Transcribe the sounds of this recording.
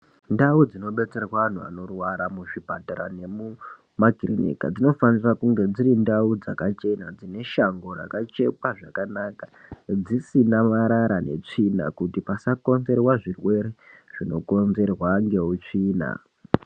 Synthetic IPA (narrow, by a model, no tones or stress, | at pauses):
ndaud͡zino̞ɓe̞t͡se̞rwaan̤ua̰no̞rwaɾamuʐibʱataɾa̰ne̞mu | maɡʱirinḭka̰d͡zino̞fanirakuŋɡe̞d͡zirindaud͡zakat͡ʃe̞nad͡zine̞ʃaŋɡo̞ra̰kat͡ʃe̞paʐakanakḁd͡zisinamaɾaɾane̞̰t͡ʂina̰kutipasako̞nze̞rwaʐirwe̞reʐ̥ino̞ko̞nze̞rwaŋɡe̞ut͡ʂiːna̰